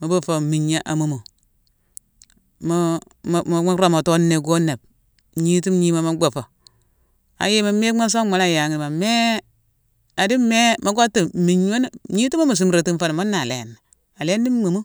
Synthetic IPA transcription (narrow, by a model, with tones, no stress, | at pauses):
mo˨bo˦fo˨mi˨ɲːa˨˦ʔa˨mu˨mo˨ | mo˦˨ | a˦ɾo˦ma˨to˦nːe˨ɡo˦ne˨b̚ | ɲi˦ti˦mɲi˦ma˦ma˦ɡ͡bo˨fo˨ | a̰˨je˦ma˨me˦ma˦s̬o˦ma˨na˦˨ja˨ŋ˨i˨ma˨me˦ | a˨di˦me˦mo˨˦ɡo˦tːi˨mi˨ɲ˦o˦n˨ɲi˦ti˦ma˦mu˨s̬u˦mɾe˨ti˦m˦fa˦n˨mo˦nːa˨lḛ˨n˨ | a˨le˦n˦di˦mu˨mu˦